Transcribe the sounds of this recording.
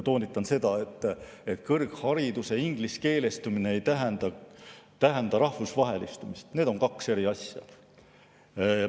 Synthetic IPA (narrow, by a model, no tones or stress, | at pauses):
t̪o̞ːnit̪ːˑɑnse̞d̪̥ɑe̞t̪ːˑ | e̞t̪ˑkɤrɡhɑɾid̪use̞iŋɡ̥liske̞ːle̞st̪umine̞ejt̪æɦend̪̥ɑt̪æɦend̪̥ɑɾɑhvusvɑɦe̞list̪umist̪ne̞ːd̪̥o̞ŋkɑkse̞ɾiɑsʲjɑ̰